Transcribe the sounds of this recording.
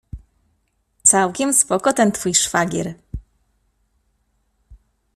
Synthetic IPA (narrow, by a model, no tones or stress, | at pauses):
t̪sawkʲɛmspɔkɔt̪ɛnt̪fujʂfaɡʲɛ̰ɾ